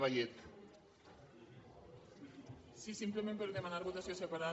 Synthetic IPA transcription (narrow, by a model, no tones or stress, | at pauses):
βajet̪ | sisimplemempeɾðemanaɾβot̪asjosepaɾa